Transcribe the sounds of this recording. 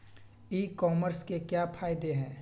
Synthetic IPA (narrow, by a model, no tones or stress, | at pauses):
iːkɔːməɾskekjapʰaːɪd̪eɦɛ̃ː